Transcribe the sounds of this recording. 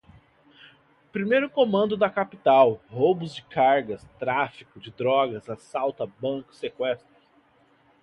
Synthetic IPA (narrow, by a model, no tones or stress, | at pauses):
pɾimejɾʊkõmɐ̃nd̪ʊd̪ɐkapit̪awhobʊzd͡ʒɪkaɾɡɐst̪ɾafikʊd͡ʒɪd̪ɾɔɡɐzasawt̪ɐbɐ̃kʊ̥sekwɛst̪ɾɐ